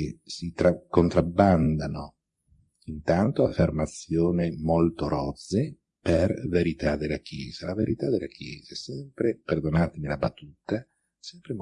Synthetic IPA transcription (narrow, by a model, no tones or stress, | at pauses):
esit̪ɾakont̪ɾabːand̪ano | int̪ant̪oafːermat̪sːjoːnemolt̪oɾɔd̪ze | perveɾit̪ad̪elːakjɛːz̥alaveɾit̪ad̪elak̟jɛ̰ːzaɛsɛmpɾeperd̪onaːt̪enilabat̪ːuːt̪a | sɛmpɾem